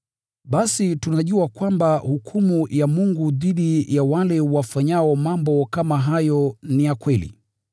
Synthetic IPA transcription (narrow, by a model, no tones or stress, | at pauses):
ɓasitunaʄuakwambahukʰumujamuŋɡuðiɗijawalɛwafaɲaɔmambɔkamaɦajɔnijakwɛlḭ